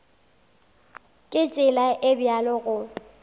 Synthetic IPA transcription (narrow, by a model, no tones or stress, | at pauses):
kʼɪt͡ʃʼɪlaʔɪbjalɔɣʊ